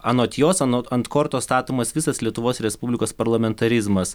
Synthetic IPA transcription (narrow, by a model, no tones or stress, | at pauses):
ɐnoːt̪ʲjoːsɐnoɐnt̪koːɾt̪oːst̪ɑːt̪oːmɐsʋʲɪsɐslʲiɛt̪ʊʋoːsɾʲɛspubʲlʲɪkoːspɐɾlˠɐmʲɛnt̪ɐɾʲɪzmɐs